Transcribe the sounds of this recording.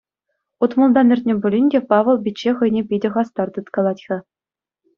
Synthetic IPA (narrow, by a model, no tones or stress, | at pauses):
ut̪mɤ̆lˠd̪ɑnʲɘ̆rʲtʲnʲĕbʲulʲinʲdʲepɑʋɤ̆lˠbʲitʲt͡ɕːeχɤ̆jnʲepʲidʲɘ̆χɑst̪ɑrt̪ɤ̆t̪kɑlˠɑtʲxʲɑ̆